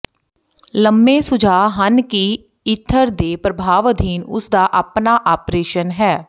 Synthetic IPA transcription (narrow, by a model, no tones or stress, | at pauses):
ləmbeːsʊd͡ʒʱaːɦənkiː | ɪt̪ʰːəɾd̪eːpɾəbʱaːʋəd̪ʱiːnʊ̰sd̪aːʔapnaːʔaːpɾeːʃənɦɛː